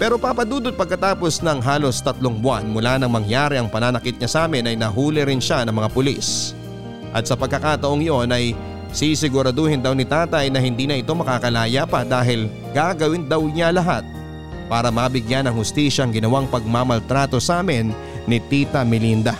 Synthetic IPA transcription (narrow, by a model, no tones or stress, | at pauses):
pɛɾo̞paːpɐd̪uːd̪ot̪̚pɐɡ̚kɐt̪aːpo̞snɐŋɦaːlo̞st̪ɐt̪loŋbʊanmʊlanɐŋmɐŋjaːɾɛʔɐŋpɐnanɐkɪt̪̚ɲɐsaːmɪnɐjnɐɦuːlɪɾɪnʃanɐŋmɐŋapʊlḭs | ʔɐ̰t̪sɐpɐɡ̚kːɐkaːt̪ɐʔoŋjo̞nɐj | sisɪɡʊɾɐd̪ohɪnd̪ɐwnɪt̪aːt̪ɐjnɐɦɪnd̪iːnɐʔɪt̪o̞mɐkakɐlaːjapɐd̪aːɦɪl | ɡ̥aɡɐwɪnd̪ɐwɲalɐɦat̪̚ | paːɾɐmɐbɪɡjanɐŋhʊst̪iːʃɐʔːŋɡɪnɐwaŋpɐɡ̚mamɐlt̪ɾaːt̪o̞saːmɪnː | ɪt̪iːt̪ɐmɪlind̪ɐ